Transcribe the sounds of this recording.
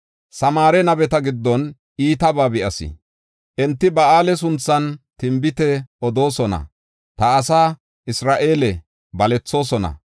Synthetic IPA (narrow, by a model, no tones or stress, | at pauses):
sɐmaːɾɛnɐbɛt̪ɐɡɪd̪ːɔn | ʔiːt̪ɐbaːbɪʔɐsɪ̰ | ʔɛnt̪ːɪbɐʔaːlɛs̬ʊnt͡sːɐnt̪ɪmbɪt̪ɛɔd̪o̞ːsɔnɐ̰ | t̪ɐːsaː | ʔɪsɾaːʔe̞ːlɛ | bɐlɛt͡sːo̞ːsɔnɐ̰